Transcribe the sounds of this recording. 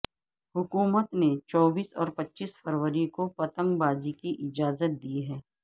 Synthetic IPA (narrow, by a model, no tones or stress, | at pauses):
hʊkuːmət̪net͡ʃɔːbiːsɔːɾpɐtːʃiːsfəɾwəɾikopɐt̪ə̃ŋɡbaːzikiʔɪd͡ʒaːzət̪̚d̪iːɦɛː